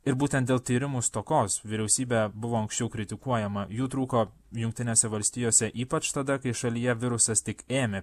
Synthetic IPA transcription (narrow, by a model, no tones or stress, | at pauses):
ɪɾbuːt̪ʲɛnt̪̚d̪ʲeːlˠt̪ʲiːɾʲɪmust̪oːkoːsʋʲɪɾʲɛʊsʲiːbʲɛbʊʋoːɐŋksʲt͡ʃʲɛʊkɾʲɪt̪ʲɪkuɔjɛmɐjuːt̪ɾuːkoː | jʊŋkt̪ʲɪnʲeːsʲɛʋɐlʲsʲt̪ʲiːjoːsʲɛʔiːpɐt͡ʃt̪ɐd̪ɐkɐɪʃɐlʲijɛʋʲɪɾʊsɐst̪ʲɪkeːmʲe